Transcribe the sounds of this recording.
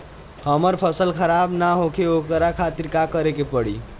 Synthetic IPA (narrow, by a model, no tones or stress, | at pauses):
həməɾpʰəsəlkʰəɾabnaɦokʰeokəɾakʰat̪iɾkakəɾekepəɽi